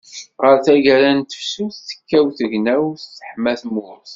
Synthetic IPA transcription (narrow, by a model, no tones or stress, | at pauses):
ʁəɾθæʝæɾænt̪ə̥fsuθθə̥kːæwθəʝnæwːə̥ħmæθmʊɾθ